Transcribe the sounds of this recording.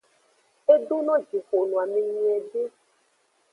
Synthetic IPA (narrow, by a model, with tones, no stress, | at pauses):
e˦ɖo˦nɔ̃˦d͡ʒi˨xo˨nũ˨a˨mẽ˨ɲĩ˦ɛ˨ɖe˦